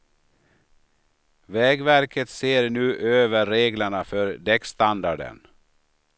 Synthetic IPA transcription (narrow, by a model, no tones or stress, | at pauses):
vɛːɡvæɾkʰət̪seːɾnʉ̟ːʔøːvəɾːeːɡləɳafœɾd̪ɛkst̪and̪aɖə̰n